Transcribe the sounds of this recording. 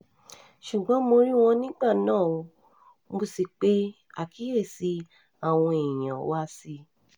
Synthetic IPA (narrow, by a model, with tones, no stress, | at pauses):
ʃu˨ɡ͡bɔ̃˨˦mo˧ɾĩ˦w̃ɔ̃˧nĩ˦ɡ͡ba˦˨nãː˦˨ũ˧ | mo˦si˧k͡pe˦ | a̰˨ki˨˦e˦˨si˧˦ | a˨w̃ɔ̃˧e˨j̃ã˨˦wa˦si˧